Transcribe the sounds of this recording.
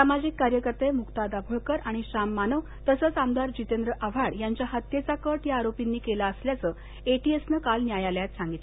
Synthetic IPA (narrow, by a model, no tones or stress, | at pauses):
samad͡ʑikːaɾjəkəɾt̪emukt̪ad̪abʱəɭkəɾaɽ̃iɕamːanəʋ | t̪əsəːt͡samd̪aɾd͡ʑit̪end̪ɾəʔaʋ̤aɽjaɲt͡ɕjaɦət̪jet͡sakəʈjaːɾopinːiːkelaəsljat͡sə | eʈiesnəkalnjajaljat̪sãŋɡit̪le